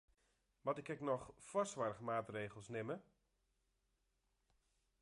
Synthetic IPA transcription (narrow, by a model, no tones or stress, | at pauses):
ʋɔtɪkɛknɔxfɔstʋarχmaːtreːɣəl̩ˠsnɪmə